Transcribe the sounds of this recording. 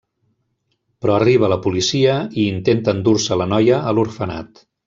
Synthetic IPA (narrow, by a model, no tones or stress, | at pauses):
pɾɔəriβ̞ələpulisiəiːnt̪ent̪əːnd̪uɾsələnɔjəːluɾfəna̰t̪